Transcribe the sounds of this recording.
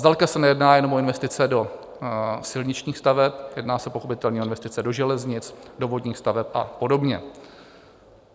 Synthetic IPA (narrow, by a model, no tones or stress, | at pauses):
zdalkasɛnɛjɛdnaːjɛno̞mʔoɪnvɛst̪ɪt͡sɛdo̞ | sɪlɲɪt͡ʃɲiːxst̪avɛp̚jɛdnaːsɛpo̞xo̞pɪt̪ɛlɲiːʔoɪnvɛst̪ɪt͡sɛdo̞ʒɛlɛzɲɪt͡sdovo̞dɲiːxst̪avɛpʔa̰po̞do̞bɲɛ